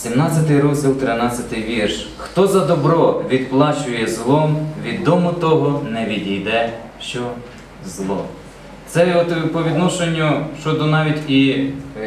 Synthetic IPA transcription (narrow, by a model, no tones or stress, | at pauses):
sʲimnɑt͡sʲɐt̪ɪjɾɔzʲdʲilˠt̪ɾɪnɑt͡sʲɐt̪ɪjʋʲirʃ | xt̪ɔzɐd̪ɔbɾɔʋʲid̪̚plˠɑt͡ʃʊjɛzlˠɔmʋʲid̪ɔmʊt̪ɔɦɔnɛʋʲid̪ʲijd̪ɛ | ʃt͡ʃɔ | zlˠɔ̰ | t̪sɛɔt̪pɔʋʲid̪nɔʃenʲːʊʃt͡ʃɔd̪ɔnɑʋʲitʲi